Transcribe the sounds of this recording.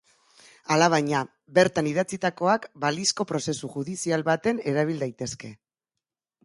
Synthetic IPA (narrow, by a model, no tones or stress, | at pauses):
alaβ̞ajɲa | be̞ɾt̪aniðat͡sit̪ako̞akbalisko̞pɾo̞se̞suxuðisialβat̪e̞ne̞ɾaβ̞ild̪ajt̪e̞ske̞